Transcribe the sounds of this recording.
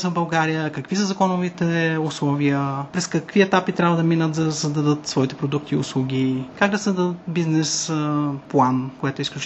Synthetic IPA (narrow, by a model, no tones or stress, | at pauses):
sɐvbɐlˠɡaɾijəkɐkvisəzɐkɔnovit̪ɛʊslˠɔviəpɾɛskəkviɛt̪apit̪ɾʲabvəd̪ɐminət̪zɐsɐzd̪ɐd̪ɤt̪svɔit̪ɛpɾod̪uk̚t̪iʊslˠuɡʲikaɡd̪ɐsɐzd̪ɐd̪ət̪biznɛsplˠankoɛt̪ʊisklʲut͡ʃ